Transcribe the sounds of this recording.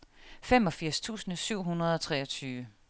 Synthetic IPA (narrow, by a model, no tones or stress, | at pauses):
fem̰ɒ̽fiɐ̰st͡sʰṵːsnəsyʊ̰ɦunʁɐð̞̩ˠɒ̽t͡sʰʁɛːɒ̽t͡sʰyːʋə